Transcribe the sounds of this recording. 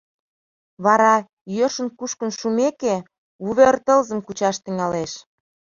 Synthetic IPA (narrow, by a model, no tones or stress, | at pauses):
βɑɾɑ | jøʃə̆nkuʃkə̆nʃumeke | uβert̪əlzə̆mkut͡ɕɑʃt̪əŋɑleʃ